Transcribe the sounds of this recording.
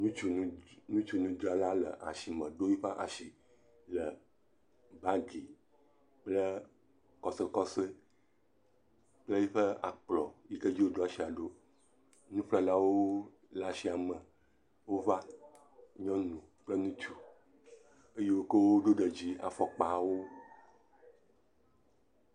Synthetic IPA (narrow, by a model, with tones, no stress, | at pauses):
nũ˦t͡ʃu˨nũ˦nũ˦t͡ʃu˨nũ˦d̪a˨la˦lə̰˨ʔa̰˨ʃi˨mə̃˨ɖo˦ji˦ɸa˦ʔa̰˨ʃi˨ | lə˨ | ba˦ɡi˨ | k͡plə˦ | kɔ˨sə˦kɔ˦sə˦ | k͡plə˦ji˦ɸə˦a̰˨k͡plɔ˨ji˦kə˦d͡ʑi˦wo˦ɖo˦a˨ʃi˦a˨ɖo˦ | nũ˦ɸla˦la˦wo˦ | la˦si˦a˨mə̃˨ | wo˦va˦ | ɲɔ̃˦nũ˨ | k͡plə˦nũ˦t͡ʃu˨ | e˦je˦wo˦kə˦wo˦ɖo˦ɖə˨d͡ʑi˦a̰˨fɔ˨k͡pa˨˦wo˦